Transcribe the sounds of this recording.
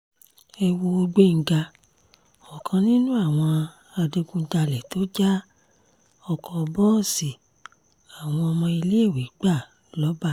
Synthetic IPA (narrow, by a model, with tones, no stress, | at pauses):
ɛ˧wo˧o˧ɡ͡be˦ŋ̩˨ɡa˧ | ɔ˨kʰã˧nĩ˦nũ˦a˦˨w̃ɔ̃˧ | a˧de˧ɡũ˧˦ta˧lɛ˨to˦d͡ʒa˦ | ɔ˨kɔ̃˧bɔ˦˨si˨ | a˨w̃ɔ̃˧ɔ˧mɔ̃˧i˧le˦e˦˨wi˨˦ɡ͡ba˦˨ | lɔ˨˦ba˦˨